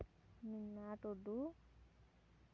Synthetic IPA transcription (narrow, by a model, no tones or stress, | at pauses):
ninːaːʈoɖu